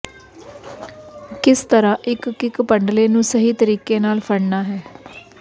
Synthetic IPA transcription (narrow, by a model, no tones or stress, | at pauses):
kɪst̪əɾãːʔɪkːɪkpəɳɖleːnũːsəɦiːt̪əɾiːkeːnaːlpʰəɽnaːɦɛː